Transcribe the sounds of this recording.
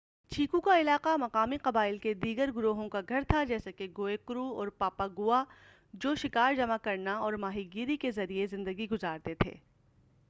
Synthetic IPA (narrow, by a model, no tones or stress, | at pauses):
t͡ʃʰiːkukaɪlaːqamɐqaːmiqɐbaːɪlked̪iːɡəɾɡʊɾoːɦõkaɡʱɐɾt̪ʰad͡ʒɛːsakeɡoːekʊɾuɔːɾpaːpaɡʊa | d͡ʒoːʃɪkaːɾd͡ʒɐmakɐɾnaɔːɾmaːɦiɡiːɾikezɐɾiezɪ̃nd̪əɡiɡʊzaːɾt̪et̪ʰḛː